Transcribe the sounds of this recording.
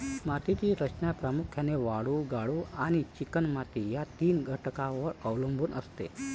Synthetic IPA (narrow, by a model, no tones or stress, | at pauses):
mat̪it̪iːɾət͡ɕnjapɾamukʰjaneʋaɽuːɡaɽuːaɽ̃it͡ɕikənmat̪ijat̪iːnɡʱəʈkãʋəɾəʋləmbʱuːnʔəst̪ḛ